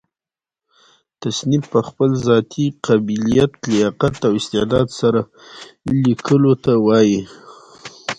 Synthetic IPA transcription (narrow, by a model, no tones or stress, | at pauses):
t̪asnɪbpəxpəlzɑt̪ʰiqabilijat̪lɪɑqat̪awɪst̪ɪʕd̪ɑd̪saɾa | likʰəlot̪awɑji